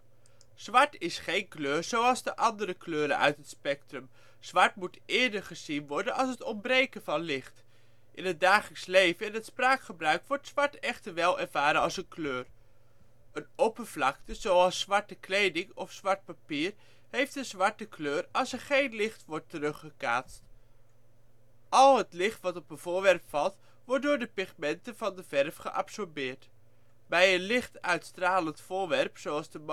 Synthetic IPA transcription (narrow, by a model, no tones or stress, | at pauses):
z̥ʋɑɹtɪsχejnkløːɹzowɑlˠzdəʔɑndəɾəkløːɾə̰nʔœ̰ɥtɦətspɛk̚trəm | z̥ʋɑɹtmutʔɪːɹdəɹχəzinʋɔɹdənɑlˠsətɔmbrejkəvɑnlɪχt | ʔɪnɦəd̚daːχələkslejvənɛnətspraːkχəbrœɥkʋɔɹtsʋɑɹtɛχtəɹʋɛlˠɛɹvaːɾəɑlˠsənkløːr | ənopəv̥lɑk̚təzowɑlˠsʋɑɹtəklejdɪŋɔfsʋɑɹt̚papiːr | hejftdəzʋɑɹtəkʰløːrɑlˠsəɹχejnlɪχtʋɔɹtərɵχəka̰ːtst | ʔɑlˠɦətlɪχtʋɑtɔpənv̥ʊːɹʋɛrpfɑlˠt | ʋɔɹt̚dʊːɹdəpɪχmɛntəvɑndəv̥ɛrfχəʔɑ̰psɔɹbɪːɹt | bɛjənlɪχtœɥtstraːləntfʊːɹʋɛrpsoɑlˠzdəm